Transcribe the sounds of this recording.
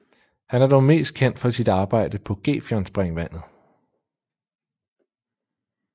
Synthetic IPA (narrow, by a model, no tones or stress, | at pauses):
hænæɐd̥ɒʊme̝̰ːsd̥̚kʰen̰d̥fɒ̽sid̥ɑ̈ːb̥ɑ̈ɪ̰d̥əpʰɒ̽ɡ̥e̝̰ːfjɒnsb̥ʁɛŋʋæn̰ð̩ˠ